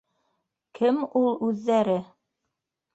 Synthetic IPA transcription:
kʰɘmulˠʉðːæɾɘ

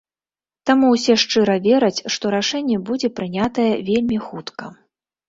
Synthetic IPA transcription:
t̪amuwsʲɛʂt͡ʂɨɾɐvʲɛɾɐt͡sʲʂt̪ɔɾaʂɛnʲːɛbud͡zʲɛpɾɨnʲat̪ɐjɛvʲelʲmʲixut̪kɐ

